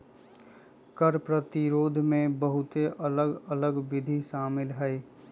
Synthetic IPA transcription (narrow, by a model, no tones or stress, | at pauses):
kəɾpɾət̪ɪɾoːd̪ʱmẽbəɦʊt̪eʔələɡələɡʋɪd̪ʱiʃaːmɪlɦɛː